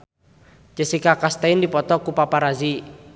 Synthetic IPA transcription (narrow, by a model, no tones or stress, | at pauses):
t͡ʃəsikakast̪aɪndipɔt̪ɔkupapaɾazi